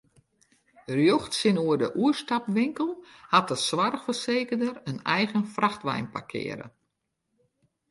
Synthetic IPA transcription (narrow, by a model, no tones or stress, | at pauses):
ərjoxtsɪnuədəʔuəstapʋɪŋkəlˠhat̚əsʋarxfərseːkədərənɛjɣənfraxtʋɛ̰jnpa̰rkʰɪ̰ːəɾə̰